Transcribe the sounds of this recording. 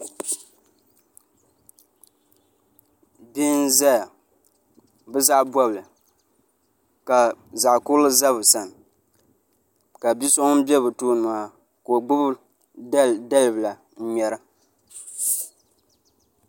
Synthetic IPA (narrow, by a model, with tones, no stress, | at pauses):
bi˦n˦za˦ja˨ | bɨ˦za˦ʔbɔ˦blɨ˨ | ka˨za˨ʔkʊ˦lɨ˦za˦βɨ˨sa˨n˨ | ka˨bi˦so˦bɛ˦bɨ˨toː˦nʊ˨a˨ | ko˨ɡ͡bʊ˦b | da˦lɨ˨bla˨ | n̩˦ɲɛ˨ɾa˦